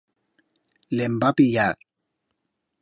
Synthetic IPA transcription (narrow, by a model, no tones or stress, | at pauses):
lembapijaɾ